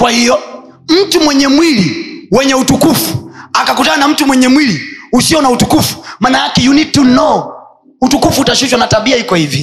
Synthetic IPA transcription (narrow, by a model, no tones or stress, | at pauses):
kwahijɔ | m̩tumwɛɲɛmwiliwɛɲɛutukufuakakutaanam̩tumwɛɲɛmwiliusiɔnautukufu̥maːnajakɛjunitːunɔ | utukufuːtaʃiʃwanataɓiahikɔhivi